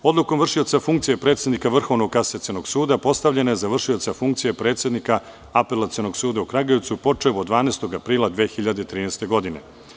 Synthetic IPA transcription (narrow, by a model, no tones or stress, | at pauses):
o̞d̪lˠuko̞mvr̩ʂʃio̞t̪safuŋkt̪sijepɾe̞t̪sje̞d̪nikaʋr̩xo̞ʋnoɡkaset̪senoɡsuːd̪apo̞st̪aʋʎʲe̞najezaʋr̩ʂio̞t̪safuŋk̚t̪sijepɾe̞ːt̪sjed̪nika | apelat̪sio̞no̞ɡsuːd̪aukɾaɡeʋt̪supo̞t͡ʂeʋod̪ʋaːnest̪o̞ɡapɾiːlˠad̪ʋexiʎad̪et̪ɾiːnɛst̪e̞ɡo̞d̪ine̞̰